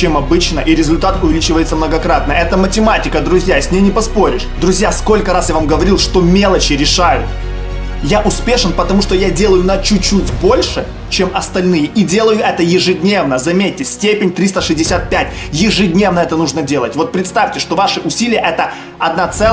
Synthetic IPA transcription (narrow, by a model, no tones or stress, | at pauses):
t͡ɕemɐbɨt͡ɕnəʔiɾʲɪzʊlʲt̪at̪ʊvʲɪlʲit͡ɕɪvəjɪt̪səmnəɡɐkɾat̪̚nəʔɛt̪əmətʲɪmatʲɪkəd̪ɾʊzʲjasʲnʲejnʲɪpɐspo̞ɾʲɪʂd̪ɾʊzʲjasko̞lʲkəɾasjavamɡəvɐɾʲilˠʂt̪o̞mʲe̞lˠət͡ɕɪɾʲɪʂajʊt̪ | jaʔʊspʲe̞ʂɨnpət̪ɐmuʂt̪ojadʲe̞lˠəjʊnɐt͡ɕʊt͡ɕːutʲbo̞lʲʂɨ | t͡ɕemɐst̪ɐlʲnɨjɪʔidʲe̞lˠəjʊʔɛt̪əjɪʐɨdʲnʲe̞vnəzɐmʲetʲːɪsʲtʲepʲɪnʲt̪ɾʲist̪əʂɨzʲdʲɪsʲat̪̚pʲætʲ | jɪʐɨdʲnʲevnəɛt̪ənuʐnədʲe̞lˠətʲvo̞t̪̚pɾʲɪt̪st̪afʲtʲɪʂt̪o̞vaʂɨʔʊsʲilʲɪjəʔɛt̪ə | ɐd̪nat̪sɛ